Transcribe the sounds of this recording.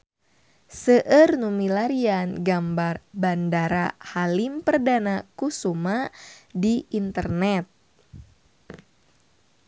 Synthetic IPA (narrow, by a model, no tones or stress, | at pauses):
səʔərnumilaɾianɡambarbandaɾahalimpərdanakusumadiint̪ərnɛt̪̚